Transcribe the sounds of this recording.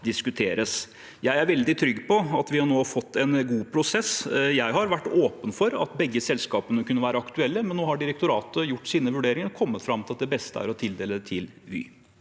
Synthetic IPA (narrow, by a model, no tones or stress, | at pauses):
d̪ɪskʉt̪ʰeːɾəs | jæɪæɾʋɛld̪ɪt̪ʰɾʏɡːpʰɔɑt̪ʋɪhɑɳoːfɔt̪ːɛnɡuːpʰɾʊsɛsjæɪɦɑɾʋæʈːoːpənfɔɾɑ̰t̪bɛɡːəsɛlskɑːpənəkʉnːəʋæːɾəɑkt̪ʉɛlːəmɛnːoːhɑɖɪɾɛkt̪ʊɾɑ̰ːt̪əjʊʈːsiːnəʋʉɖeːɾɪŋəɾkʰɔmːət̪fɾɑmt̪ʰɪlɑt̪̚d̪ɛbɛst̪əæ̰ɾɔt̪ʰɪld̪eːləd̪ɛt̪ʰɪlʋḭː